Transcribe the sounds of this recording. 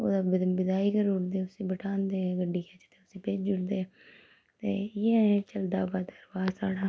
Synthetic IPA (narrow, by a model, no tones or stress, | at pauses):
o̰ːd̪abd̪bɪd̪aːikəɾʊɽd̪eːʊsibəʈʰaːnd̪eːɡəɖikɛt͡ʃːt̪eʊsipeːt͡ʃd͡ʒʊɽd̪eː | t̪ejet͡ʃɐld̪aːbad̪əɾʋasaːɽaː